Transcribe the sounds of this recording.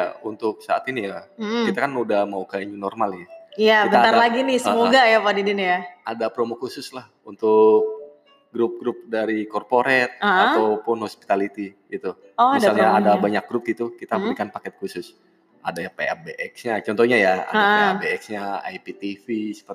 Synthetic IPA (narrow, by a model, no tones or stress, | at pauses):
a̰unt̪ʊk̚saa̰t̪inijakit̪akanudahmaukaiɲinɔrmalinaiaibəaaɾlaɡinɪsəmoɡajapadidinijaadapɾomokusʊslah | unt̪ʊk̚ | ɡɾʊp̚ɡɾʊp̚daɾikɔrpoɾɛt̪̚əatawpʊnhospi̥t̪alit̪iɡit̪u | ɔaisaalɲaadabaɲak̚ɡɾʊp̚ɡit̪ukit̪abəɾikanpakɛt̪̚kusʊs | adajapea̰beʔɛksɲat͡ʃɔnt̪ɔɲajaa̰daeabeɛksɲaa̰jpit̪ifisə̥pə